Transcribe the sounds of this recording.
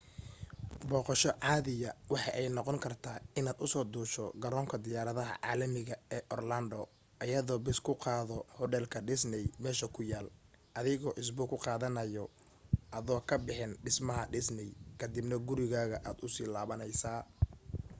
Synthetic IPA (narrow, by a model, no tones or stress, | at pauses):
bɔːqɑʃɔʕɑːðɪjɐwɑħɑʔɛjnɔqɔŋkʰɐrt̪ʰaːɪnaːd̪ʊsɔːd̪uːʃɔɡɐɾɔːŋkʰɐd̪ɪjaːɾɐðɐɦɐ̰ʕa̰ːlɐmɪɣɐɛːʔɔrlɐnd̪ɔ | ʔɐjɐðɔːbɪskʰʊqɑːðɔhɔɖɛːlkʰɐɖɪsnɛjmɛːʃɐkʰʊjaːl | ʔɐðɪɣɔːʔɪs̬bʊkʰʊqɑːðɐnɐjɔ | ʔɐðɔːkʰɐbɪħɪnɖɪsmɐɦɐɖɪsnɛjkʰɐd̪ɪbnɐɡʊɾɪɣaːɣɐʔaːd̪ʊsiːlaːβɐnɛjsaː